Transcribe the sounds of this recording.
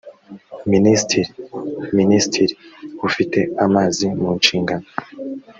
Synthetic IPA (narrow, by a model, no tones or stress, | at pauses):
ministʰiɾiministʰiɾihufite̞amaːzimuːnʃiːŋɡano